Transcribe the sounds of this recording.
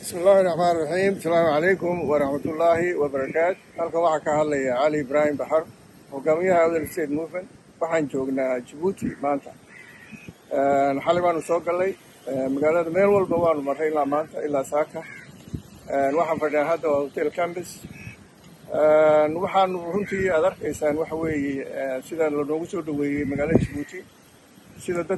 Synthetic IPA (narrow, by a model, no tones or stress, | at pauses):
bɪsmɪlːaːhɪrːɑħmaːnɪrˤːɑħiːmsɐlaːmʕɑlɛjkʰʊmwɑɾˤɑħmɐt̪ʰʊlːaːɦɪwɐbɐɾɐkʰaːt̪hɐlkʰɐwɑħɑːkʰɐhɐd̪lɐjɐʕɑlɪɪbɾaːhɪmbɑħɑr | hɔɡaːmɪjɐhawðɛlst̪ʰɛːt̪muːfmɐn | wɑħɑːnt͡ʃɔːɡnaːt͡ʃɐβuːt̪ʰɪ̰maːnt̪ʰɐ̰ | ʔɛːnħɑlɪβaːnʊsɔːɡɐlːɛj | ɛːnmɐɣaːlɐðɐmɛːlwɐlbɐwɑːnʊmɐrɛɪlːaːmaːnt̪ʰɐ̰ʔɪlːaːsaːkʰɐ | ɛːnwɑħɑːnfɐɽɖɪnaːɦɐd̪ɐwaɔt̪ʰɛlkʰanɖɪs | ʔɛːnwɑħɑːnʊrʊnt̪ʰiːaːd̪ɐrkʰɛjsaːnwɑħɑwɛːjɛɛːnsɪðɐlɐnɔːɣʊsɔːɖɐwɛːjɛjmɐɣaːlɐðɐt͡ʃɐβuːt̪ʰɪ | sɪðɐd̪ɐ